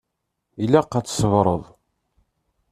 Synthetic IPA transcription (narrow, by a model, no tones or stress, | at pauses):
ilːæqːæt͡sːsəvɾˤə̰ðˤ